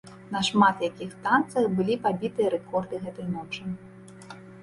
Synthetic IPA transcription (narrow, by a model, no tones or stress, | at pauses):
nɐʂmat̪jakʲixt̪ant̪sɐwbɨlʲipabʲit̪ɨjɐɾɛkɔrd̪ɨɣɛt̪ɐjnɔt͡ʂɨ